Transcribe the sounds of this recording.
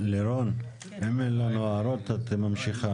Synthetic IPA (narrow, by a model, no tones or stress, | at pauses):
leɾon | emenlanuaːɾot̪at̪mamʃiχa